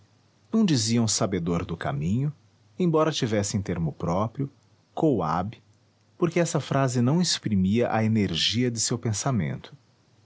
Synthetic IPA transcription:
nɐ̃w̃d͡ʒiziɐ̃w̃sabed̪oɾd̪ʊka̰mĩɲʊ | ẽj̃bɔɾɐt͡ʃivɛsẽt̪eɾmʊpɾɔpɾijʊ | kowa̰bɪ | poɾkɪɛsɐfɾazɪnɐ̃w̃espɾimiɐʔɐeneɾʒiɐd͡ʒ̪ɪsewpẽsamḛ̃nt̪ʰʊ̥

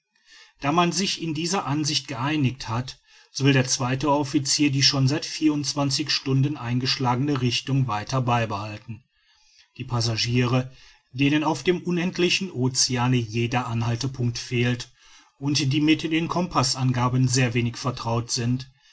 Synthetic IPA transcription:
d̥aːmanzɪçɪndiːzɐʔanzɪçt̚ɡ̥əʔaɪnɪkthat | z̥oːvɪldeːɐt͡sv̥aɪtəɔfit͡siːɐdiːʃoːnzaɪtfiːɐʊntt͡sv̥ant͡sɪçʃtʊndənʔa̰ɪnɡəʃlaːɡənəʁɪçtʊŋvaɪtʰɐbaɪbəhaltn̩ | d̥iːpʰazaʒiːʁə | d̥eːnənaʊfd̥eːmʔʊnɛntʰlɪçn̩ʔoːt͡sɪaːnəjeːdɐʔanhaltəpʰʊŋk̚tfeːlt | ʔʊntd̥iːmɪtd̥eːnkʰɔmpʰasʔanɡaːbənzeːɐveːnɪçfɛɐtʁ̥aʊtz̥ɪnt

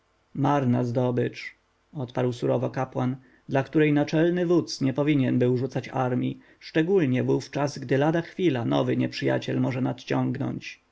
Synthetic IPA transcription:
maɾnazd̪ɔbɘt͡ʂ | ɔt̪paɾwsuɾɔvɔkapwan | d̪lakt̪uɾɛjnat͡ʂɛlnɘvut̪sɲɛpɔvʲiɲɛnbɘwʐut̪sat͡ɕa̰ɾmʲi | ʂt͡ʂɛɡulɲɛvuft͡ʂazɡd̪ɘlad̪axfʲilanɔ̰vɘɲɛpʂɘja̰t͡ɕɛlmɔʐɛnat̪t͡ɕɔŋɡnɔ̰ɲt͡ɕ

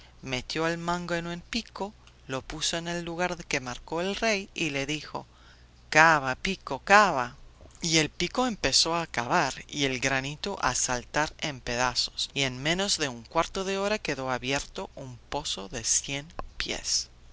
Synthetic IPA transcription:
me̞t̪jo̞elmãŋɡoenempiko | lo̞puso̞ene̞lːuɣ̞aɾðekemaɾko̞elrejile̞ðixo̞̰ | kaβapiko̞kaβaie̞lpiko̞empe̞so̞akaβaɾie̞lɡɾanit̪oʔa̰salt̪aɾe̞mpe̞ðaso̞̥sie̞nmẽ̞no̞zðe̞uŋkwaɾt̪o̞ðeoɾake̞ðo̞aβje̞ɾt̪o̞ʔumpo̞soðe̞sjenpje̞̰s

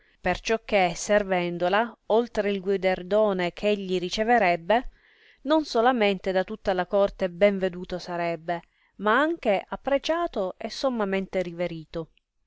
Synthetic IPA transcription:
pert͡ʃɔkːeservɛnd̪olaolt̪ɾeilɡwid̪erd̪oːnekʰeʎːiɾit͡ʃeveɾɛbːe | nonsolament̪ed̪at̪ut̪ːalakɔrt̪ebɛɱved̪uːt̪osaɾɛbːe | maaŋk̟eʔapːɾet͡ʃaːt̪oesːomːament̪eɾiveɾiːt̪o

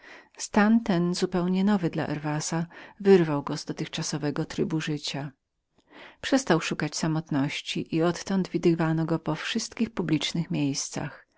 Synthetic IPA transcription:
st̪ant̪ɛnzupɛwɲɛnɔvɘd̪la̰ʔɛ̰ɾvasavɘɾvawɡɔzd̪ɔt̪ɘxt͡ʂasɔvɛɡɔt̪ɾɘbuʐɘt͡ɕa | pʂɛst̪awʂukat͡ɕsamɔt̪nɔɕt͡ɕiʔiɔt̪ːɔnd̪vʲid̪ɘvanɔɡɔpɔfʂɘst̪kʲixpublʲit͡ʂnɘxmʲjejst̪sa̰x

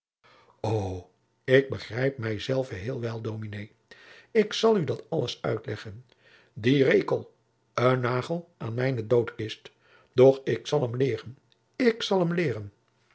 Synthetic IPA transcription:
ow | ɪɡ̚bəχrɛjp̚mɛjzɛlˠvəɦɪːlˠʋɛlˠdowminej | ɪksɑlˠydɑtɑləsœ̰ɥtlɛχən | direjkəlˠ | ənːaːχəlˠʔaːnmɛjnədowtɪst | d̥ɔχɪksɑlˠəmlɪːrən | ɪksɑlˠɦəmlɪːɾən

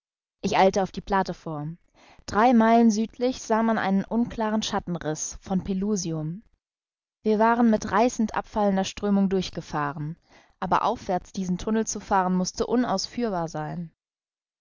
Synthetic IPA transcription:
ʔɪçʔaɪltəaʊfd̥iːpʰl̥atəfoːɐ | d̥ʁaɪmaɪlənzyːtʰlɪçz̥aːmanʔa̰ɪnənʔʊnkl̥aːʁən̩ʃatn̩ʁɪsfɔnpʰeluːziʊm | viːɐvaːʁənmɪtʁaɪsn̩tʔa̰pfaləndɐʃtʁ̥øːmʊŋdʊɐçɡ̥əfaːʁən | ʔaːbɐ̰ʔa̰ʊfv̥ɛɐt͡sd̥iːzn̩tʰʊnl̩t͡sufaːʁənmʊstəʔʊna̰ʊsfyːɐbaːɐzaɪn

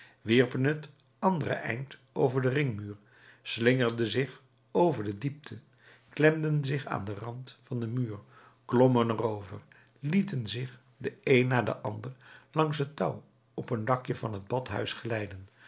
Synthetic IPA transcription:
ʋɪɹpənət | ɑndərə̰ʔɛ̰jnt | owvəɹdərɪŋmyːɹ | slɪŋəɹdəzɪχ | owvəɹdədip̚tʰə | klɛmdənzɪχa̰ːndərɑntfɑndəmyːɹ | klɔmənərowvə̰ɹ | litənzɪχ | dəejnːaːɹdə̰ʔɑndəɹlɑŋsɦətɑw | ɔpəndɑkjəvɑnɦəd̚bɑtɦœ̰ɥsχəlɛjdən

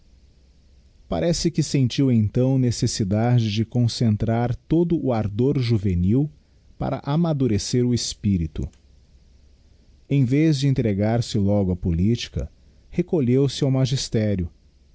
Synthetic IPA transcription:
pa̰ɾɛsɪkɪsẽnt͡ʃiwẽt̪ɐ̃w̃nesesid̪ad͡ʒɪd͡ʒɪkõsẽnt̪ɾaɾt̪od̪ʊʔʊaɾd̪oɾʒuveniw | pa̰ɾɐ̰ʔamad̪uɾeseɾʊespiɾit̪ʊ̰ | ẽj̃vezd͡ʒɪẽnt̪ɾeɡaɾsɪlɔɡʊɐpolit͡ʃi̥kɐ̰ | hekoʎewsɪawmaʒist̪ɛɾjʊ

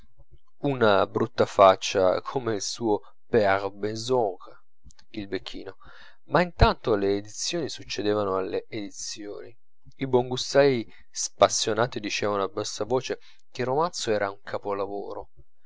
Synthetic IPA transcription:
unabɾut̪ːafat͡ʃːa̰kʰomeilsuːo | peaʁbezɔk | ilbekʰːḭːno | maint̪ant̪oleːd̪it̪sːjoːnisut͡ʃːed̪eːvanoalːeed̪it̪sjoːni | iboŋɡust̪aji | spasːjonaːt̪id̪it͡ʃɛːvanoabːasːavoːt͡ʃe | k̟erːomant̪soɛːɾʔauŋkʰapolavo̰ːɾo

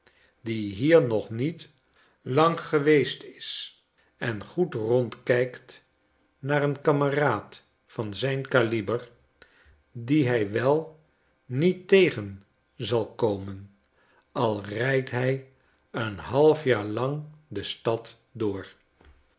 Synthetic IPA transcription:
diɦiːɹnɔχnit | lɑŋχəʋejstɪs | ɛnχutrɔntkɛjkt | naːɾənkɑməraːt | fɑnzɛjnkalibər | diɦɛjʋɛlˠ | nitejχən | zɑlˠkowmən | ɑlˠrɛjtɦɛj | ənɦɑlˠfjaːɹlɑŋdəstɑt | dʊːɹ

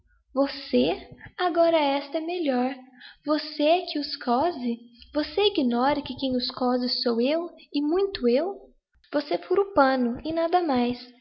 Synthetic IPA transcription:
voseaɡɔɾɐɛst̪ɐɛmeʎɔɾvosekʰɪʊskʰɔzɪvoseiɡinɔɾɐkɪkẽj̃ʊskɔzɪsowewɪmũj̃t̪ʊew | vosefoɾʊpɐ̃nʊɪnad̪ɐmajs

